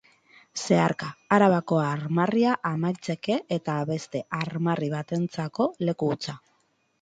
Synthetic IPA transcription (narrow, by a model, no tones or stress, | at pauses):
se̞aɾkaaɾaβako̞aɾmariaʔamajt͡se̞ke̞et̪aβe̞st̪e̞ʔaɾmariβ̞at̪e̞nt͡sako̞le̞kuut͡sa